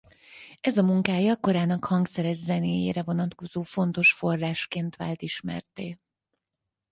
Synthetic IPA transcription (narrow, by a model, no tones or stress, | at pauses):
ɛzɒmuŋkaːjɒko̞ɾaːnɒkhɒŋksɛɾɛzzɛneːjḛːɾɛvo̞nɒt̪ko̞zoːfo̞nt̪o̞ʃfo̞rːaːʃkeːnt̪ʋa̰ːlt̪iʃmɛ̰rt̪ḛː